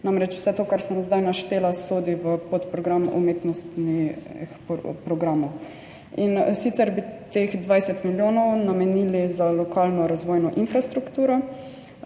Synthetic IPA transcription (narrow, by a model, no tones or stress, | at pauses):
namɾɛt͡ʃw̥sɛt̪oːkaɾsɛnzd̪ajnaʃt̪eːlasoːd̪iʋəpot̪pɾɔɡɾamṵmeːt̪nɔst̪nixpɾɔɡɾamɔw | insit̪sɛɾbit̪exd̪ʋajsɛt̪miljoːnɔwnamɛnilizalɔkaːlnɔɾazʋoːjnɔʔinfɾast̪ɾukt̪uːɾɔ